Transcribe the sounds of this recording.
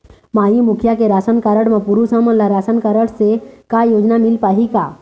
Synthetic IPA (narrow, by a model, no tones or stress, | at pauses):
maimukʰjakeɾasənkaɾəɽmãpuɾusəməlaɾasənkaɾəɽsekajod͡ʒnamilpaɦika